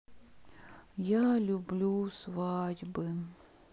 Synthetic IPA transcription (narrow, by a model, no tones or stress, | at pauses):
jalʲʊblʲusvadʲbɨ